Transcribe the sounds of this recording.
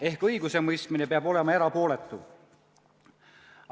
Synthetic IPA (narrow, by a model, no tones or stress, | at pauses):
e̞hkɤjɡuse̞mɤjst̪mine̞peɑbo̞le̞mɑeɾɑpo̞ːle̞t̪ˑːu